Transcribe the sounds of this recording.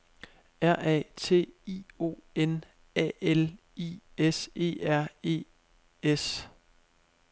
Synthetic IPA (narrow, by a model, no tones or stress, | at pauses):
æɐ̰ʔɛ̰ːt͡sʰe̝̰ːio̝̰ːen | ɛ̰el | ḭːese̝̰ːæɐ̰e̝̰ː | es